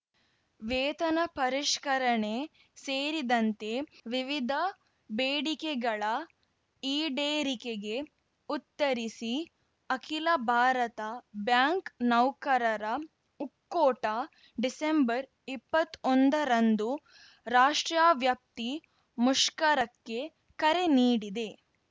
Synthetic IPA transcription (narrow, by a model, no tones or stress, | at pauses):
ʋeːt̪ɐnɐpɐɾiʂkɐɾɐɳe | seːɾid̪ɐnt̪eʋiʋid̪ʱɐ | beːɽikeɡɐɭɐ | iːɖeːɾikeɡe̞ | ut̪ːɐɾisi | ɐkʰilɐbʱaːɾɐt̪ɐbjaːŋknɐwkɐɾɐɾɐ | ukːoːʈɐ | ɖisembɐɾ | ipːɐt̪ːond̪ɐɾɐnd̪u | ɾaːʂʈɾjaːʋjɐp̚t̪i | muʂkɐɾɐkːe̞ | kɐɾe̞niːɽid̪e̞